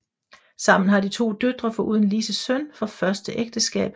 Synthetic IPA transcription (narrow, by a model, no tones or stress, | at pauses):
sɑ̈m̰n̩ɦɑ̈d̥it͡sʰo̝̰ːd̥ød̥ʁɐfɒ̽ʔuðˠən̩lisəsœnfɒ̽fɶɐsd̥əʔeɡ̥̚d̥əsɡ̥ɛ̰ːb̥